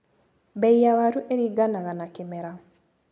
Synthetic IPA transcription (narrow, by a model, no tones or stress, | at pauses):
bɛijawaɾuʔeɾiɡanaɣanakemɛɾa